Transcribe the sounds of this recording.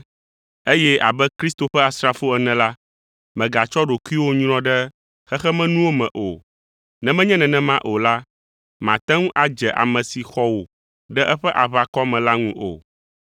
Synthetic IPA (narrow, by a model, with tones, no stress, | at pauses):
e˦jɛ˦a̰˨bɛ˦kɾi˦st̪o˨ɸɛ˦a˨sɾa˨fo˦ɛ˨nɛ̃˨la˦ | mɛ̃˨ɡa˨t͡ʃɔ˦ɖo˨kʷu˦i˦wo˦ɲ˦ɾ̃ɔ̃˦ɖɛ˦ | xɛ˦xɛ˦mɛ̃˦nũ˦wo˦mɛ̃˨ʔo˨ | nɛ̃˨mɛ̃˦ɲɛ̃˦nɛ̃˨nɛ̃˨mã˦ʔo˨la˦ | mã˨t̪ɛ̃˦ŋũ˦ʔa˨d͡ʒɛ˨ʔa̰˨mɛ̃˨si˨xɔ˦wo˨ | ɖɛ˦ʔɛ˦ɸɛ˦ʔa˨βa˨kɔ˦mɛ̃˨la˦ŋũ˦ʔo̰˨